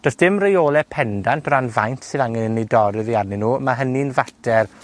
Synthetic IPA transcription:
d̥ɔsd̥ɪmrejoːlˠɛpʰɛndantʰranvajntʰsɨðaŋɛnənejdɔɾɪðiarninuːmaɦəninvatʰɛr

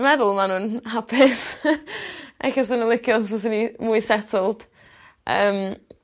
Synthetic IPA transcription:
mɛðʊlˠmanʊːnɦapʰɪs | ʔɛ̰xas̬ənəlˠɪkʰjɔsvɔs̬ɪnimuɨsɛtʰəlˠd̥ | ʔə̰ːm

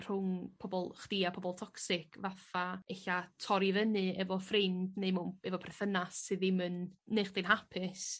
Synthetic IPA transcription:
r̥ʊŋpʰɔbɔlˠχd̥iapʰɔbɔlˠtʰɔksɪkʰvafaeɬatʰɔɾivənɨɛvɔfrɪmdneɨmunɛvɔpʰrɛθənasːɨðɪmɨnnejχd̥inɦapʰɪs

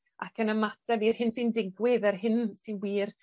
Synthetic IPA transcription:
a̰kʰənəmatʰɛvirhɪnsindɪɡwɪðɛrɦɪnsinwiːr

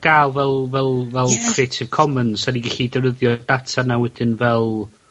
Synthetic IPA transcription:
ɡ̥aːlˠvɛlˠvɛlˠvɛlˠkʰreːtʰɪv̥kʰɔmənsaniɡɛɬidənəðjɔd̥atʰanawɛdɪnvɛlˠ

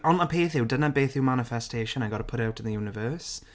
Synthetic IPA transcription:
ɔnəpʰeːθɪwdənabeːθɪwmanɪfɛstʰeːʃənaɡɔdəpʰʊɾawtʰɪ̃nðəjunɪvɜːs

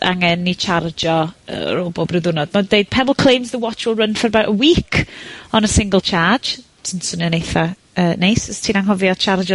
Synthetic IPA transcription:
a̰ŋɛnːit͡ʃʰard͡ʒɔə̰ɾoːbobrɪðʊnɔd̥madeɨd̥̚pʰɛbəlˠkʰl̥ejmzðəwɔt͡ʃwɪlˠrənfərbaʔəwiːkʰɔnəsɪŋɡəlˠt͡ʃʰḁːd͡ʒtʰinsʊnjɔnejθa | əːnejsəstʰiːnaŋɦɔvjɔt͡ʃʰard͡ʒɔ

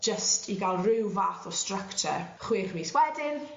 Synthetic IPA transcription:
d͡ʒəstʰiɡalˠrɪwvaːθɔstrəktʰɛ̰χwiːrmiswɛdɪn

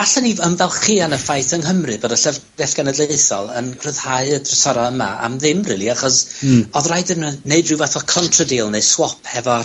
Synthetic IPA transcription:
aɬaniənvɛlˠχiːanəfajθənɦəmrɨbɔːdaɬɛv̥ | ɛθɡ̥anədlˠeɨθɔlˠənkʰr̥ɨð̥haɨədrəsɔɾɔəma̰a̰mðɪmrḭːlˠiaχɔsɔðraɨdənneɨdrɨwvaθɔkʰɔntʰrədiːlˠneswɔpʰhɛvɔ

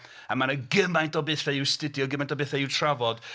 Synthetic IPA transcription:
amanəɡɪmajntɔbɪːθɛɪwstɪdjɔɡəmajntɔbɨθɛɪwtʰravɔd̥

